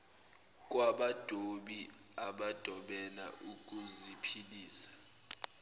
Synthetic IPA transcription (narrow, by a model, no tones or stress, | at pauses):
k̬ʼwaɓad̥ʱoɓi | aɓad̥ʱɔɓɛna̰ʔuk̬ʼuzipʰiliːsḁ